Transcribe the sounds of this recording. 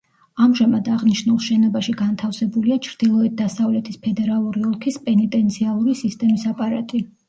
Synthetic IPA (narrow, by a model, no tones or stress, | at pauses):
amʒamad̪aʁniʃnulˠʃɛnɔbaʃiɡant̪ʰafsɛbuliat͡ʃʰɾd̪̥ilˠɔɛt̪̚d̪asavlɛt̪ʰispʰɛd̪ɛɾalˠuɾiɔlˠkʰispʼɛnit̪ʼɛnt̪sʰialˠuɾisist̪ʼɛmisapʼaɾat̪ʼi